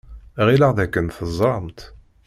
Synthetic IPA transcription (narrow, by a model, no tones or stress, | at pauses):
ʁiləʁðækːənθəzˤːɾˤɑmt̪